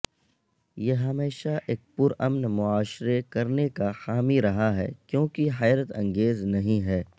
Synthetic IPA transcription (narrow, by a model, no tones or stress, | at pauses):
jeɦɐmeːʃaʔeːk̚pʊɾɐmnmʊaːʃɾekɐɾnekaxaːmiɾɐɦaɦɛ̰ːkjõːkiɦɛːɾət̪ɐ̃ŋɡeːznɐɦĩɦɛː